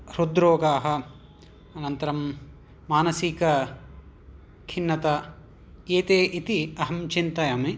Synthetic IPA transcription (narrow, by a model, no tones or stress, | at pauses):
ɾud̪ɾoːɡaːɦɐ̆ | ɐnɐnt̪ɐɾɐmː | aːnɐsikɐ | kʰinːɐt̪ɐ | eːt̪eːʔit̪iɐɦɐmt͡ʃint̪ɐjɐmi